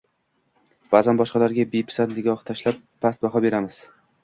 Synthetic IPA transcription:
b̥azanbɒʃqɑlaɾɡʲabejpʰɪ̥sannɪɡʲɒχt̪ʰaʃlapːʰast̪̚baɦɒbe̞ɾamɪz̥

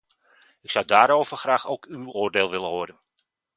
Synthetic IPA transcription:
ɪksʌwdaːɾowv̥əχraːxowkywoːrdeːlˠʋɪləɦoːdən

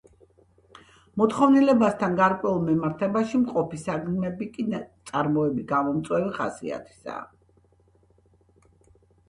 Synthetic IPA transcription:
mɔt̪χɔvnilɛbast̪ʰanɡaɾkʼwɛulˠmɛmaɾt̪ʰɛbaʃimqʼɔpisaɡmɛbikʼint̪sʼaɾmɔɛbiɡamɔmt̪sʼwɛviχa̰sḭa̰t̪ʰi̥sa̰ː

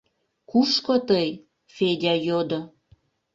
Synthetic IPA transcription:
kuʃkot̪əj | fed̪ʲɑjod̪o

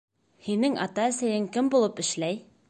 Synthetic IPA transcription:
hinɘŋʔɑ̰t̪ɑæ̆sæjɘŋkɘmbulˠɤpɘ̆ʃlæj

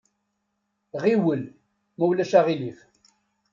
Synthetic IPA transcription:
ʁiwəl | mæwlæʃaʁilif

